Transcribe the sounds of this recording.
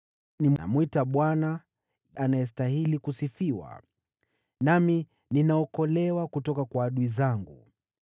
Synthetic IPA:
nim̰mwitaɓwana | anajɛs̬taɦilikusifiwa̰ | nami | ninaɔkɔlɛwakutɔkakwaːɗuizaŋɡu

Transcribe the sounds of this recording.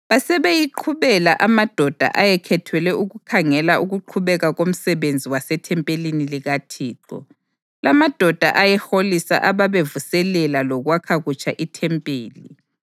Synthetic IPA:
βasɛβejiǃʰuβɛlaʔamad̥ʱɔd̥ʱa̰ʔajɛkʰɛtʰwɛlɛʔuɣukʰaŋɛlaʔuɣuǃʰuβɛɣaɣom̩sɛβend͡zʱiwasɛtʰɛmpʼeliniliɣatʰiːǃɔ̰ | lamad̥ʱɔd̥ʱa̰ʔajɛxolisa̰ʔaβaβevusɛlɛlalɔɣwakʰaɣut͡ʃʰʼaʔitʰɛmpʼeːli

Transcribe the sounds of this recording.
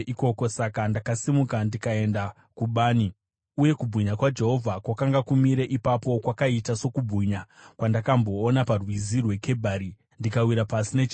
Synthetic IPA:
iko̞ko̞sakandakasimukandikae̞nda | kuɓaːni | uje̞kubʱuɲakwad͡ʒe̞ɦo̞vʱakwakaŋɡakumiɾeʔipapo̞kwakaitaso̞kubʱuɲakwandakambo̞ːnaparwizirwe̞kʰe̞bʱaɾi | ndikawiɾapasinet͡ʃ

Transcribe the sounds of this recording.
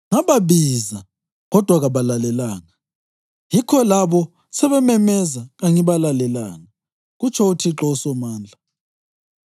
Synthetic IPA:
ŋaβaβiza | ɣɔd̥ʱwaɣaβalalɛlaːŋa | jikʰɔlaβɔ | sɛβɛmɛmɛzaɣaŋiβalalɛla̰ŋa | ɣut͡ʃʰɔutʰiǁɔusɔmaːnd͡ɮʱa

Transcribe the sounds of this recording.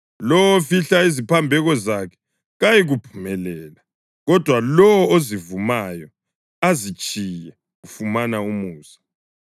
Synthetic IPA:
lɔwofiɬaizipʰambʱɛɣɔzakʰɛ̥ | ɣajiɣupʰu̥mɛlɛːla | ɣɔd̥ʱwalɔwɔozivumajɔ | azit͡ʃʼijɛ | ɣufumanaumuːsḁ

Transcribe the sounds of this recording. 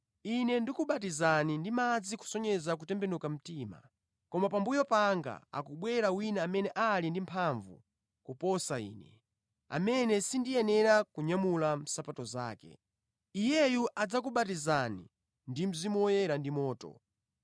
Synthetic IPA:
inɛndikuɓat̬izanindimad͡ziku̥sɔɲɛzak̬utɛmbɛnukam̩tiːma̰ | kɔmapambujɔpaŋɡa̰a̰kuɓwɛɾawinaamɛnɛʔalindimpʰaɱvṵ | kupɔsaḭːnɛ̰ | a̰mɛnɛsindijɛnɛɾakuɲamulam̩sapatɔza̰ːkɛ̰ | ijɛjuʔad͡zakuɓatizanḭ | ndim̩zimuɔjɛɾandimɔːtɔ̰

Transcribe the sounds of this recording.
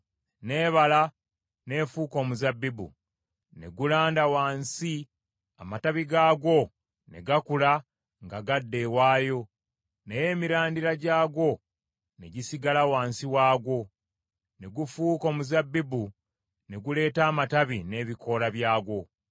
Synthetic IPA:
ne̞ːβala | ne̞ːfuːko̞ːmuzabːibṵ | ne̞̰ɡulaːndawaːnsi | a̰mataβiɡaːɡo̞ | ne̞̰ɡakula | ŋɡaɡadːe̞waːjo̞ | neje̞ːmiɾaːndiɾaɟaːɡo̞ | ne̞̰ɟisiɡalawaːnsiwaːɡo̞ | ne̞ɡufuːko̞ːmuzabːibu | neɡule̞ːtaːmataβine̞βikʰo̞laβjaːɡo̞

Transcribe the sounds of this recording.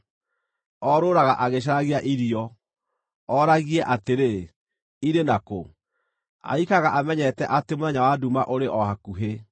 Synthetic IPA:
ɔɾoːɾaɣaʔaɣeɕ̬aɾaɣiaʔiɾiɔ | ɔɾaɣiɛʔateɾe | iɾenako | a̰ikaɣaʔamɛɲɛtɛʔatemoðɛɲawadumaʔoɾeʔɔhakuɦe

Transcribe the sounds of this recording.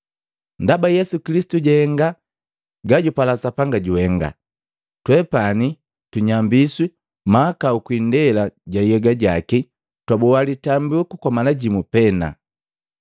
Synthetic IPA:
ndabajɛsukilisi̥tuɟɛhɛŋɡa | ɡaɟupalasapaŋɡaɟuhɛŋɡa̰ | twɛpani | tuɲambiswi | maːkaukwindɛlaɟaijɛɡaɟaki | twabɔwalitambiukukɔmalaɟimupɛna̰

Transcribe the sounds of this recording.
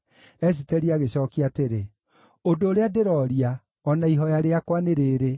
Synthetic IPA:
ɛs̬itɛɾiaɣeɕɔːkiaːteɾe | odoːɾeadeɾɔɾia | ɔnaiɦɔjaɾeakwaneɾeːɾe

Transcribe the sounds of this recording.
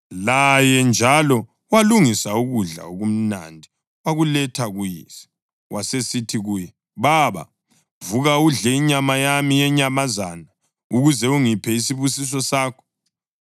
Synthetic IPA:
lajɛnd͡ʒʱalɔ | waluŋisauɣuɮa̰oɣum̩na̰ndʱi | waɣulɛtʰaɣujḭsɛ̥ | wʔasesitʰiɣuːjɛ | βaβa̰ | vuɣauɮɛiɲamajamijɛɲamazana | uɣuzɛuŋipʰɛisiβusis̬ɔsaːkʰɔ̥

